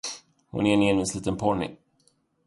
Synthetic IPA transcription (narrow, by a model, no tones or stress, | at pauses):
hʊ̰nɛɛnɪɛnvɪnsliːt̪ənpʰɔɳɪ̰